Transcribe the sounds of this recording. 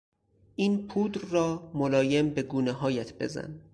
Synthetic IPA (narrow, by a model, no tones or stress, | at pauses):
ʔiːnpʰuːd̪ɾrɒːmolɒːje̞mbe̞ɡuːneɦɒːjæt̪ʰbe̞̰zæ̰n